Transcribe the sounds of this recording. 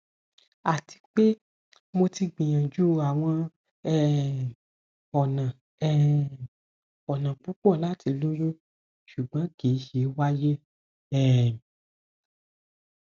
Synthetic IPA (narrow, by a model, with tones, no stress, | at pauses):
a˨ti̥˧k͡pe˦ | mo˧ti˧ɡ͡bĩ˨j̃ã˨d͡ʒu˦a˨w̃ɔ̃˧ | ɛ˦˨ | ɔ˨nã˨ | ɛ˦ | ɔ˨nã˨k͡pũ˨˦k͡pɔ˦˨la˨˦ti˧lo˦jũ˦ | ʃu˨ɡ͡bã˨˦ɡe˨˦ʃe˨˦wa˦je˦ | ɛ˦˨